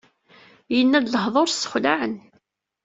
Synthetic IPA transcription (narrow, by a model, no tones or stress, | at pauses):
jənːæd̪ləhðˤoɾsə̥χlaʕən